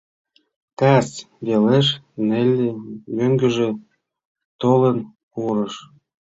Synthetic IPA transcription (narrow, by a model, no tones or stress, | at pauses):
t̪æs | βeleʃ̬nelʲːemøŋɡø̆ʒe | t̪olən | uɾəʃ